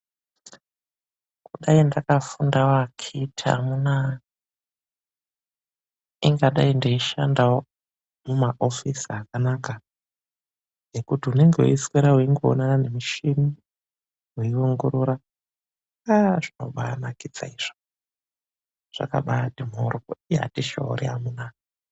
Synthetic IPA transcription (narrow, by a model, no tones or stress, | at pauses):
kuɗaindakafundawakʰitʰa̰muna | iŋɡaɗaindeiʃa̰ndawo | mumaʔo̞fisiakanaka | jekutiune̞ŋɡewṵiskeɾawuiŋɡoo̰nanane̞miʃini | weiuŋɡoɾuɾa | aʐino̞̰ɓanakid͡za̰iʐ̥o̥ | ʐ̥a̰ka̰ɓatimoɾukoia̰tiʃa̰ṵɾḭamuna